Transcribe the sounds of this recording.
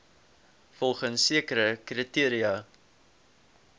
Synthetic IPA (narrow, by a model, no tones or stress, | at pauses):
fɔlˠχənsːiəkəɾəkritiəɾiɐ